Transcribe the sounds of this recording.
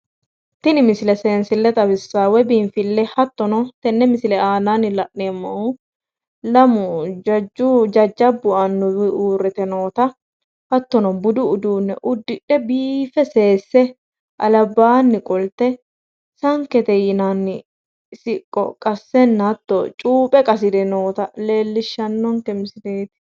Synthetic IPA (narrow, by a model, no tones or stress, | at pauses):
t̪ɪnɪmɪsɪlɛseːnsɪlːɛt̪ʼɐbɪsːaːwɛbiːɱfɪlːɛhɐt̪ːɔnɔt̪ɛnːɛmɪsɪlɛaːnanɪlɐʔnemːɐʊ | lɐmʊd͡ʒɐd͡ʒʊd͡ʒɐd͡ʒːɐbːʊʔɐnːʊwɪʔuːrːɛt̪ɛnoːt̪ɐ | fɐt̪ːɔnɔbʊd̪ʊʊd̪uːnːɛ̰ʔʊd̪ːɪᶑɛbiːfɛse̞ːsːɛ | ʔɐlɐbːaːnːɪkʼɔlt̪ɛ | sɐŋkɛt̪ɛjɪnanːɪ | sɪkʼːɔ̰kʼɐsːɛnːɐt̪ːɔ̰t͡ʃʼuːpʼɛkʼɐs̬ɪd̪ɛnoːt̪ɐleːlːɪʃːɐnːɔŋkɛmɪsɪdeːt̪